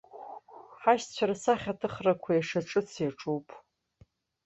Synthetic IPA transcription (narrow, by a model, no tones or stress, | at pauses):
ħaʃt͡ɕʷʰaɾasaχʲatʰɨχrakʷʰajaʂaʈ͡ʂʼɨt͡sʰjaʈ͡ʂʼowpʼ